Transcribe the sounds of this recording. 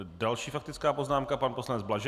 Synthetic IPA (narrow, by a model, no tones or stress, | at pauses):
dalʃiːfak̚t̪ɪt͡skaːpo̞znaːmkapanposlanɛd͡zblaʒ